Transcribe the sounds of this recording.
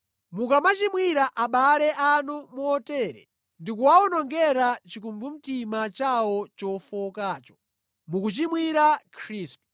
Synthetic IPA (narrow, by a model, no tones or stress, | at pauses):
mukamat͡ʃimwiɾaʔaɓalɛʔanumuɔtɛːɾɛ̰ | ndikuwaɔnɔŋɡɛɾat͡ʃikumbum̩timat͡ʃawɔt͡ʃɔfɔkaːt͡ʃɔ̥ | mukut͡ʃimwiɾakʰɾiːstu̥